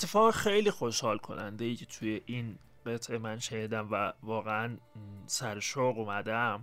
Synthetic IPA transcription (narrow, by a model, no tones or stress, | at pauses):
et̪ʰːefɒːɣexejliːxo̞ʃhɒːlkʰo̞̰nænd̪ejiːcʰet̪ʰujeʔin | ɢe̞t̪ʰʔe̞mænʃeniːd̪æmvævɒːɣeænsæɾʃoɣumæd̪æm